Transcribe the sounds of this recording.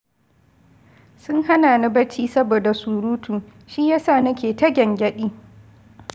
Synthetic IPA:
sʊ˦ŋha˦naː˨na˦bɐ˦t͡ʃiː˦sɐ˦boː˨da˨suː˨ɾuː˦tuː˨ʃi˦jaː˦saː˦˨nɐ˦kʲeː˨tɐ˦ɡʲɛ˨ŋɡʲɐ˦ɗiː˦

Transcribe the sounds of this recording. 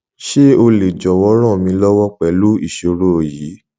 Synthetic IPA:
ʃe˦o˧le˨d͡ʒɔ˨wɔ˨˧˦ɾ̃ɔ̃˦˨mĩ˧˦lɔ˦wɔ˦k͡pɛ˨˦lu˦ḭ˦˨ʃo˨˧˨ɾo˦˨jiː˨˦

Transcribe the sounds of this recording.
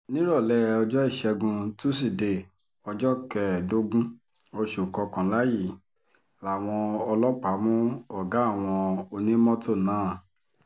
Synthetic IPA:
nĩ˦ɾɔ˦˨lɛ˦˨ɔ˧d͡ʒɔ˦i˦˨ʃɛ˧ɡũ˧tu˦s̬i˦˨de˨ | ɔ˧d͡ʒɔ˦kɛ˨do˦ɡũ˦ | o˧ʃu˨kɔ˧kã˨˦la˦ji˦˨ | la˨w̃ɔ̃˧ɔ˧lɔ˦k͡pa˨˦mũ˦ɔ˨ɡa˨˦˨w̃ɔ̃˧o˧nĩ˦mɔ̃˦tʰo˦˨nãː˨˦˨

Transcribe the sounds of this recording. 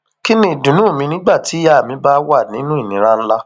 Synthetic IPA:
ki˦nĩ˦˨dũ˨nũ˨˦˨mĩ˧nĩ˦ɡ͡ba˦˨ti˨˦ja˦a˨mĩ˧˦ba˦wa˦˨nĩ˨˦nũ˦i˦˨nĩ˨˦ɾa˦n̩˦la˦

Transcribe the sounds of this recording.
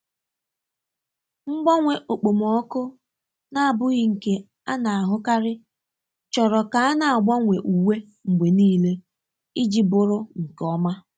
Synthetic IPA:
ŋ͡m̩˦ɡ͡bɔ˦ŋʷe˨ʔo˨k͡po˨mɔ˦kʊ˦ | na˦a˨bʊ˦ɣɪ˦ŋ̩˨ke˨ | a˦na˨a˨ɦʊ˦ka˦ɾɪ˦ | t͡ʃɔ˨ɾɔ˨ka˨a˦na˨a˨ɡ͡bɔ˦ŋʷe˨ʔu˨we˦ | ŋ͡m̩˨ɡ͡bʷe˨niː˦le˦ | i˦d͡ʒi˦bʊ˨ɾʊ˦ŋ̩˨kɔ˦ma˦

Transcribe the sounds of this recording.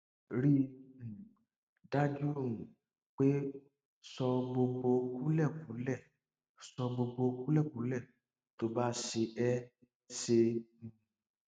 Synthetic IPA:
ɾi˦ũ˨ | da˦d͡ʒũ˦˨ | k͡pe˦ | sɔ˧ɡ͡bo˧ɡ͡bo˧ku˦lɛ˦˨kũ˨˦lɛ˦˨ | sɔ˧ɡ͡bo˧ɡ͡bo˧˦ku˦lɛ˦˨kũ˨˦lɛ˦˨ | to˧˦ba˦ʃe˧ɛ˦ | se˧ũ˨

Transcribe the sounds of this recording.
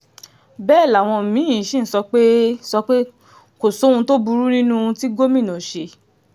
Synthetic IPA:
bɛː˦˨la˨w̃ɔ̃˧˨mĩ˨˦ĩ˨ʃĩ˦n̩˦sɔ˧k͡pe˦sɔ˧k͡pe˦ | ko˨so˨˦ũ˧to˦bu˧ɾu˦ɾĩ˦nũ˦ũ˧ti˦ɡo˦mĩ˦˨nɔ̃˨ʃe˧

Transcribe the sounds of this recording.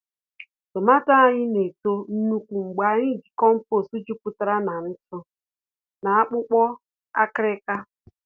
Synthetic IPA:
tʊ˨ma˦ta˦ɲɪ˦ne˨to˦n̩˦nu˦kʷu˨ŋ͡m̩˨ɡ͡ba˨˦ɲɪ˦˨ɡi˨kɔ˦m̩˦po˦˨su˦d͡ʒu˦pu˦ta˦ɾa˦na˨n̩˦t͡ʃʊ˦ | na˨a˦k͡pʊ˦k͡pɔ˦ | a̰˦kɾɪ˦ka˦

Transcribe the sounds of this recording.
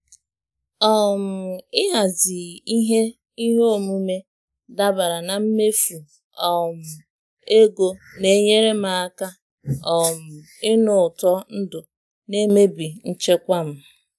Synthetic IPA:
ɔ˦˨m̩˨ɪ˦ɦa˨zɪ˨i˦ɦe˦ | i˦ɦo˦˨mu˦me˦ | da˦ba˨ɾa˨na˨m̩˦me˦fu˨ | ɔ˨m̩˨ | e˦ɡo˦ne˨˦ɲe˦ɾe˦ma˨˦ka˦ | ɔ˨m̩˨ | ɪ˦nʊ˨tɔ˦n̩˦dʊ˨ | ne˦me˦bi˨n̩˦t͡ʃe˦kʷa˦m̩˦

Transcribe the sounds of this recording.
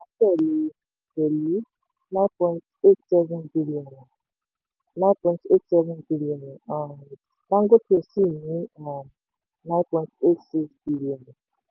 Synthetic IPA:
a˨˦tɛ˦˨li˨ | pe˨li˦ | nã˦pɔ̃˦nte˦tsɛ˦vɛ˦nbi˦li˦ɔ˨n˨ | nã˦pɔ̃˨nte˦tsɛ˦vɛ˦nbi˦li˦ɔ˨n˨a˨ | la˦ŋɡo˦pʰe˨si˦˨ni˨˦a˨ | nã˦pɔ̃˨nte˦tsi˦ksb̥i˦liɔ˨n˨

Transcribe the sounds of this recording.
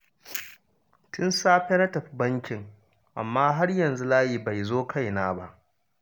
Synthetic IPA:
tʊ˦nsaː˦ɸe˦na˦tɐ˨ɸi˦bɐ˦ŋkʲɪ˨ŋ | ʔa̰˨mːaː˦ɦa˦rjɐ˨nzu˦laː˦jiː˨ba˨jzoː˦kʰa˦˨jnaː˦ba˦ʔ

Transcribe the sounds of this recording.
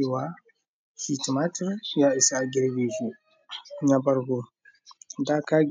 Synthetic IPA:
wa˦ | hi˨ti˨ma˦tə˦ɾja˨i˨sa˦˨a˨ɡi˨ɾɡi˨ʒu˨ | ɲa˨ba˨ɾɡu˨ | da˦ka˦

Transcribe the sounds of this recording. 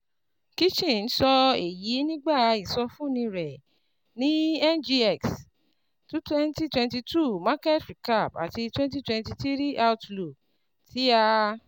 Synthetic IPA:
ki˦t͡ʃĩ˦˨n̩˦sɔ˧e˨ji˨˦nĩ˦ɡ͡ba˦˨˧i˨sɔ˧fũ˦˨nĩ˧ɾɛ˨ | nĩ˨˦ɛ˦nd͡ʒi˧ɛ˦˨ks | tu˦twɛ˦nti˦twɛ̃˧nti˧tu˦mã˦kɛ˦tɾi˨ka˦˨pa̰˨ti˧twɛ̃˦n˦t̬i˦twɛ̃˧nti˧ti˦ɾi˦ʔa˧u˦tlu˨k | ti˨˦a˧

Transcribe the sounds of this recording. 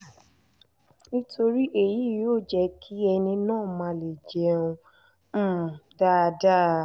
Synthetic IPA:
nĩ˦tʰo˧ɾi˦ʔe˦˨ji˨˦˨joː˦˨d͡ʒɛ˧kʰi˦ɛ˧nĩ˧nãː˦˨mã˧˦le˨d͡ʒɛ˨˦ũ˧˦˨ | da˦˧da˦˨

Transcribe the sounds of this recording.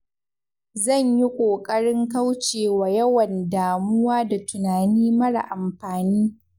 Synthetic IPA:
zɐ˦˨ɲji˦kʷʼoː˨kʼɐ˦ɽɪ˦ŋka˦wt͡ʃeː˨waː˨jɐ˦wɐ˨ndaː˨mʊ˦waː˦da˨tʊ˨naː˨niː˦mɐ˦ɽa̰˨ʔa˨mɸaː˨niː˦

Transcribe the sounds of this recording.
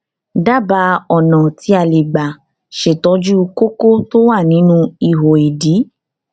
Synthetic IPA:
da˦ba˧˦ɔ˨nɔ̃˨ti˧˦a˨le˨ɡ͡ba˨ | ʃe˨tɔ˧˦d͡ʒu˦ko˦ko˦to˦wa˦˨nĩ˨˦nũ˦i˧ɦo˨e˨di˨˦

